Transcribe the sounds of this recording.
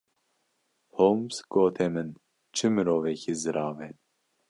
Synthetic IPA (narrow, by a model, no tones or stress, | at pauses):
homsɡ̥oːt̪ʰɛmɨn | t͡ʃʰɨmɨɾoːvɛkʰizɨɾɑːvɛt̪